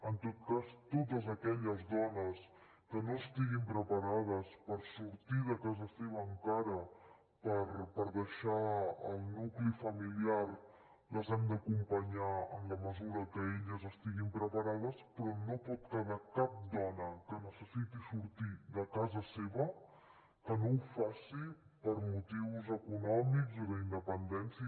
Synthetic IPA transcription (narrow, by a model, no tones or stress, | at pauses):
ənt̪ot̪̚kast̪ot̪̬əzəkɛʎəzðɔnəs | kənoəst̪iɣimpɾəpəɾað̞əspəɾsuɾt̪iðəkazəseβ̞əːŋkaɾə | pəɾpəɾðəʃaə̰lˠnuklifəmiliar | ləzɛmd̪əkumpəɲaənləməzuɾəkəeʎəzəst̪iɣimpɾəpəɾaðəspɾɔnopɔt̪kəðakap̚d̪ɔnəkənəsəsit̪isuɾt̪iðəkazəseβə | kənowfasi | pəɾmut̪iwzəkunɔmikzələind̪əpənd̪ɛnsiə